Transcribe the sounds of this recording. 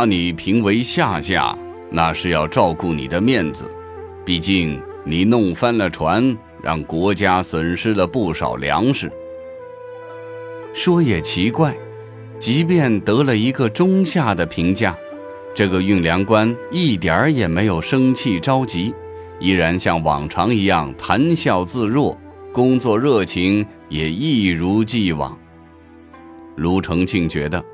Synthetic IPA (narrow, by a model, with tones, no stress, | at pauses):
a˥ni˨˩pʰi˧˥ŋwe˧˥ɪɕja˥˧ɕja̰˥˩ | na̰˥˧ʂɻ̩˥˧jɑ˥˧ʊʈ͡ʂɑ˥˧ʊku˥˩nḭ˨˩d̪ə˦mjɛ˥˩nd͡zɹ̩̰˩ | pi˥˩t͡ɕi˥˩ŋ | ni˨˩nʊ˥˩ŋfa˥nlə˨ʈ͡ʂʰwa˧˥n | ɻɑ̰˥˩ŋkwɔ˧˥t͡ɕja˥swə˨˩nʂɻ̩˥lə˨pu˥˩ʂɑ̰˨˩ʊljɑ̰˧˥ŋʂɻ̩˥˩ | ʂwɔ˥jɛ˨˩t͡ɕʰi˧˥kwa˥˩ɪ | t͡ɕi˧˥p̬jɛ˥˩nt̪ɤ˧˥lə˧i˧˥ɡə˧ʈ͡ʂʊ˥ŋɕja˥˩d̪ə˩pʰi˧˥ŋt͡ɕja˥˩ | ʈ͡ʂɤ˥˩ɡə˩y˥˩ŋljɑ˧˥ŋkwa˥ni˥˩t̪jə˞˨˧˥jɛ˨˩me˧˥ɪjo˨˩ʊʂɤ˥ŋt͡ɕʰi˥˩ʈ͡ʂɑ˥ʊt͡ɕi˧˥ | i˥ɻa˧˥nɕjɑ˥˩ŋwɑ̰˨˩ŋʈ͡ʂʰɑ˧˥ŋi˧˥jɑ˥˧˩ŋt̪ʰa˧˥nɕjɑ˥˧ʊt͡sɹ̩˥˧ɻwɔ˥˩kʊ˥ŋt͡swɔ˥˧ɻɤ˥˩t͡ɕʰi˧˥ŋ | jɛ˨˩i˥˩ɻu˧˥t͡ɕi˥˩wɑ̰˨˩˦ŋ | lu˧˥ʈ͡ʂʰɤ˧˥ŋt͡ɕʰi˥˩ŋt͡ɕɥɛ̰˧˥d̪ə˧